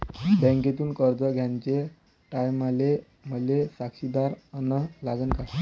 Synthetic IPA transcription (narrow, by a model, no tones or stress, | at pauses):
bɛ̃ŋket̪uːnkəɾd͡zəɡʱjaɲt͡ɕe | ʈajmale | məlesakɕid̪aɾənəɦlaɡənka